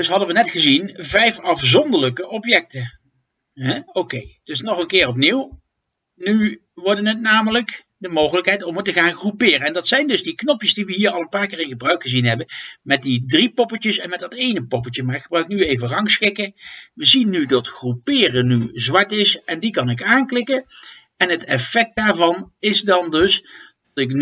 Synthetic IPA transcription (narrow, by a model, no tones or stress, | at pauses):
dɵsɦɑdənʋənɛtχəzinvɛjfɑfzɔndələkəʔɔpjɛk̚tə | ɦɛowkejd̥ɵsnɔχənkɪːrɔpniw | ny | ʋɔɹdənɦət̚naːmələk | dəmowχələkɦɛjtɔmətəχaːnχrupɪːrənɛndɑtsɛjndɵzdiknɔpjəsdiʋəɦiːɹɑlˠənpaːɹkɪːɹɪnχəbrœɥkχəzinɦɛbənmɛt̚didripɔpət͡ʃəsɛnmɛt̚dɑtejnəpɔpəlt͡ʃjəmaːɹɪkχəbrœɥk̚nyejvərɑŋsχɪkəʋəzinːydɑtχrupɪːrənyzʋɑɹtɪsɛndikɑnɪkaːnklɪkə | ɛnɦətɛfɛk̚t̚daːɹvɑnɪzdɑndɵsdɑtɪkn